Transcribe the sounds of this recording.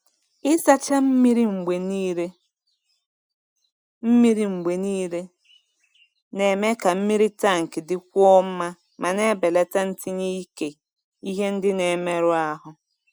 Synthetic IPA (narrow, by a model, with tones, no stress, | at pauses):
ɪ˦sa˦t͡ʃa˦m̩˦mi˦ɾi˦ŋ͡m̩˨ɡ͡be˨ni˦ɾe˦ | m̩˦mi˦ɾi˦ŋ͡m̩˨ɡ͡be˨ni˦ɾe˦ | ne˨me˦ka˨m̩˦mi˦ɾi˦ta˦˨ŋ̩˨kɪ˨dɪ˦kʷɔ˦m̩˦ma˦ | mʔa˨ne˦be˨le˦ta˦n̩˦tʰi˦ɲi˦i˦ke˨ | i˦ɦe˦n̩˦dɪ˦ne˨˦me˦ɾʊ˦a˦ɦʊ˦